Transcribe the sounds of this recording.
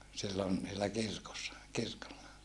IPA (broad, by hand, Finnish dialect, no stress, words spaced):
silːon niːlːæ kirkosːɑ kirkolːɑ